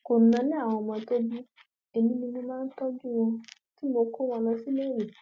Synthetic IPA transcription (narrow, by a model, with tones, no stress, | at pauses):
ko˨nã˨˦nĩ˦a˦˨w̃ɔ̃˧mɔ̃˧to˦bi˦ | e˨nĩ˧˦nĩ˧nũ˧mãː˦n̩˦tɔ˦d͡ʒu˦w̃ɔ̃˧ | ti˦mo˧ko˦w̃ɔ̃˧lɔ˧si˦le˦˨je˨